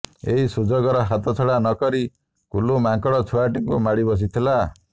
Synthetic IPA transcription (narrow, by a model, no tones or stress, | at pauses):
ḛɦisud͡ʒɔɡɔɾɔɦat̪ʰɔt͡ʃʰɔɽanɔkɔɾi | kulumaŋkɔɽɔt͡ʃʰuaʈiŋkumaɽibɔs̬it̪ʰila